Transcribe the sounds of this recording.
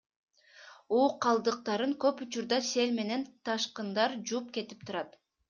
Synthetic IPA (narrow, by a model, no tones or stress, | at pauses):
uːqʰːɑlˠd̪ɯq̚t̪ɑɾɯŋkø̞put͡ʃuɾd̪ɑse̞lʲme̞ne̞nt̪ʰɑʃqɯnd̪ɑɾd͡ʒup̚ke̞t̪i̥p̚t̪ʰuɾɑt̪